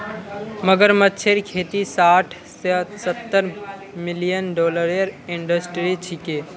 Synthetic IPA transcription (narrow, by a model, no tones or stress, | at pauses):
məɡəɾmət̪ːʃʰeɾkʰeːt̪isaːʈʰ | ssət̪ːəɾ | mɪlijənɖɔːləɾjəɾɪ̃ɳɖəsʈɾit͡ʃʰɪkeː